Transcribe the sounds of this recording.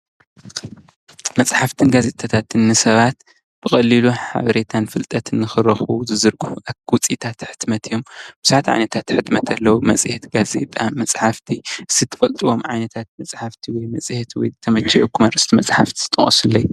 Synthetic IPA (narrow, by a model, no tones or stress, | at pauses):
mɐt͡sʼħaft̪ʰɨnɡazet̪ʰʼat̪ʰat̪ɨnːɨsɐβat̪ | b̥ɨxʼɐlːiluħa̰βɐɾe̞t̪ʰanfɨlt̪ʼɐt̪ʰɨnːɨxɨɾɐxuzɨzɨɾɡɨfuʔaɡwut͡sʼit̪ʰat̪ħɨ̥t̪mɐt̪ʰijombɨz̥uħat̪ʕa̰jnɐt̪ʰat̪ħɨt̪mɐt̪ʰɐlːɐwumɐt͡sʼhet̪ɡazḛt̪ʼamːɐt͡sʼħaft̪ʰiʔɨsit̪ʰːɨ̥fɐlt̪ʼiwo̞mʕajnɐt̪ʰat̪̚mɐt͡sʼħaft̪ʰiwɔjmɐt͡sʼht̪ʰwɔ̰jt̪ʰɐmɐt͡ʃːɐʔokʰumɐɾɨst̪ʰimɐt͡sʼħaft̪ʰi̥zɨt̪ʼɐ̰χʼɐ̰sulːɐj